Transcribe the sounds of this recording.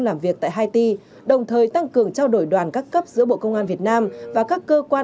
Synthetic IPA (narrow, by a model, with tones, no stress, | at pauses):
laː˨˩mvi˨˩ək̚t̪a̰ː˧˨ɦaː˧jt̪i˧ | ɗə˨˩wŋ͡mt̪ʰəː˨˩jt̪a˧ŋkɨ˨˩əŋt͡ɕaː˧wɗo˧˩jɗwaː˨˩nkaː˦˥kːə˦˥p̚z̥ɨ̰˧˥əɓo̰˧˨kə˧wŋ͡mʔaː˧nvi˨˩ət̚naː˧mvaː˨˩kaː˦˥kːəː˧kwaː˧